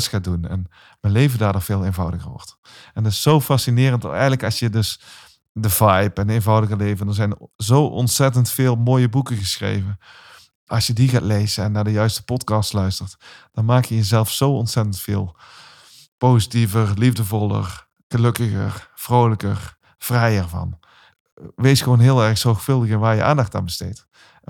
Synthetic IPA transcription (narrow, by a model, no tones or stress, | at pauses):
sxaːdunɛ̰n | mɛnlejvədaːɹdʊːɹvɪːlˠejnvɑwdəɣəɹʋɔ̰ɹt | ɛntɪsːowfɑsinɪːrənt̚dɑ̰tɛjɣənləkɑsjədɵs | dəvajpɛnejnvɑwdəɣəlejvəndɑnzɛjnzowʔɔ̰ntsɛtəntfɪːlˠmoːjəbukəɣəsxrḛjvə | ʔɑsjədiɣaːtlejzəɛnːaːdəjœɥstə̥pɔtkɑːstlœɥstərtd̥ɑnmaːkjəjəzɛlˠfsowɔntsɛtəntfɪːlˠ | pozitivərlivdəvɔlˠə̰r | ɣəløkəɣə̰rv̥rowləkə̰r | v̥rɛjərvɑ̰n | ʋejsxəʋonɦɪːlˠɛrxsɔɹxfɵlˠdəɣənʋaːɹjə̰ʔa̰ːndɑxta̰ːnbəstḛːt